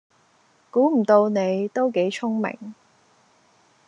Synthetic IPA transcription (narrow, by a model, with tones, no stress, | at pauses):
kuː˨˥m̩˨˩t̪o˧wne˨˧jt̪o˥wke˨˥jt͡sʰʊ˥ŋmɪ̰˨˩ŋ